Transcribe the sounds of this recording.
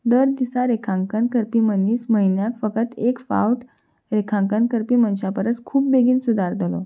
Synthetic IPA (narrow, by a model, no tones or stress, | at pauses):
d̪əɾd̪isaɾekʰãŋkənkəɾpiːmənːiːsməɦinjakfəkət̪ekfa̰wʈ | ɾekʰãŋkənkəɾpiːmənɕapəɾət͡skʰuːp̚beɡiːnsud̪ʱaɾd̪əlo̰